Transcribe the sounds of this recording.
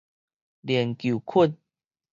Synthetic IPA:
ljɛ˨˩nkju˨˩kʰu˥˨n

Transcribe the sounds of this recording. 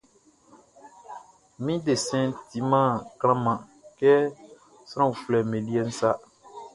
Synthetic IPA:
mĩ˦de˨sɛ̃˦nti˨˦mã˦˨klã˦mã˨ | kɛ˦ | sã˦˨u˨fu˨lɛ˨mẽ˨di˦ɛ˦n̩˦sa˦

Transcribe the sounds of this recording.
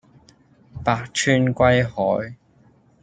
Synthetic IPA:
paː˨˧k̚t͡ʃʰyː˥nkʷɐ˥jhɔː˨˥j

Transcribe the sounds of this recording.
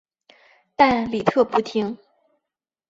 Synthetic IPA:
t̪a˥˧nli˨˩t̪ʰɤ˥˩pu˥˩t̪ʰi˧˥ŋ

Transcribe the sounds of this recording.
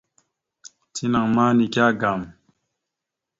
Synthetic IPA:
tʰi˦na˨ŋma˦ni˨kja˦ɡa˨m

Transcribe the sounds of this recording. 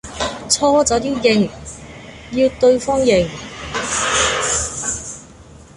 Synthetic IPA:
t͡sʰɔː˥t͡sɔː˨˥t̪iː˥wjɪ˨˧ŋ | ji˧wt̪ɵ˧ɥfɔː˥ŋjɪ˨˩ŋ

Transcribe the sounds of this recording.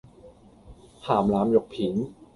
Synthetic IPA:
haː˨˩mlaː˨˦˥mjo˨˩k̚pʰi˨˩˦n

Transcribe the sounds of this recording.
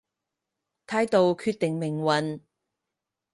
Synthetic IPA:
t̪ʰaː˨˥jt̪o˧wkʰyː˧t̪ɪ˨ŋmɪ˨˩ŋwɐ˨n

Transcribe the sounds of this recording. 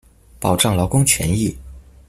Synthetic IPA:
pɑ˨˩ʊʈ͡ʂɑ˥˩ŋlɑ˧˥ʊkʊ˥ŋt͡ɕʰɥɛ̰˧˥ni˥˩

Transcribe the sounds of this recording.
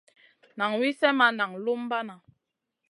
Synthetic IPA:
na˨ŋwi˦sɛ˦ma˦na˨ŋlu˦m˦ba˦na˨

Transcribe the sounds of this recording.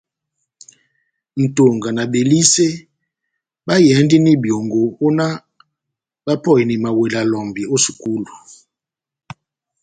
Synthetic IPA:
ntʼo˨ŋɡa˨na˨ɓe˨li˦sɛ˦ | ɓa˦jɛ˨˦ndi˦ni˦ɓjo˨ŋɡo˨u˦na˦ | ɓa˦pʰɔ˦˨ji˨ni˨ma˨wɛ˨la˨lɔ˨mbʱi˨o˦si̥˨kʼuː˦lu˨

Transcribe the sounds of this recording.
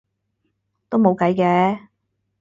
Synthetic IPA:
t̪o˥wmo˨˧wkɐ˨˥jkɛː˨˥

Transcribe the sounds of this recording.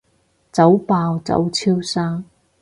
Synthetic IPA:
t͡sɐ˨˥wpaː˧wt͡sɐ̰˨˥wt͡sʰiː˥wsaː˥ŋ

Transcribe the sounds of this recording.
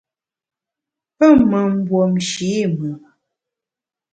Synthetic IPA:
pə˦˨mə˨m̩˦bwo˨mʃi˨˦˨mə˨

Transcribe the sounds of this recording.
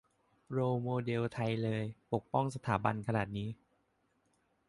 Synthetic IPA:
ɾoː˧moː˧de˧wt̪ʰa˧jlɤː˧jpo˨˩k̚pɔ˥˩ŋs̬a˧t̪ʰaː˩˦ba˧nkʰa˧naː˨˩t̪̚niː˦˥

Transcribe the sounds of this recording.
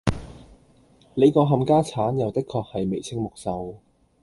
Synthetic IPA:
le˨˧jkɔː˧ɦɐ˨˧mkaː˥t͡sʰaː˨˥njɐ˨wt̪ɪ˥kʰːɔː˧k̚hɐ˨jme˨˩jt͡sʰɪ˥ŋmʊ˨k̚sɐ˨˧w

